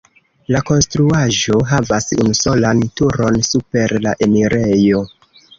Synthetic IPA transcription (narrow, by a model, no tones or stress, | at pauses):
lako̞nstɾuaʒo̞ɦavasṵnuso̞lantuɾo̞nsupe̞ɾlaʔe̞miɾejo̞